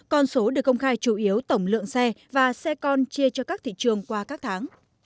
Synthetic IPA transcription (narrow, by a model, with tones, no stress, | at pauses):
kɔ˧nso˨˦ɗɨ˨˩k̚ːkə˧wŋ͡mxaː˧jt͡ɕu˧˩ʔi˨˦əwt̪ə˧˩wŋ͡mlɨ̰˧˨əŋsɛ˧vaː˨˩sɛ˧kɔ˧nt͡ɕi˧ət͡ɕɔ˧kaː˦˥k̚t̪ʰḭ˧˨t͡ɕɨ˨˩əŋkwaː˧kaː˦˥k̚t̪ʰaː˨˦ŋ